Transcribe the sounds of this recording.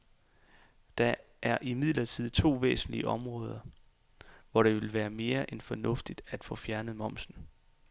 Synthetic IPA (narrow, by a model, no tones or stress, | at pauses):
d̥ɑ | ʔæɐʔimið̞̰ˠlɐt͡sʰið̞̰ˠt͡sʰo̝̰ːʋḛːsn̩liəʔɒ̽mʁɔ̽ːð̞ˠɐ | ʋɒɾ̥e̝ʋe̝lʋæːɐme̝ːɐʔenfɒ̽nɔ̽fd̥id̥æd̥fɔ̽fjæɐnəð̞̩ˠmɒ̽m̰sn̩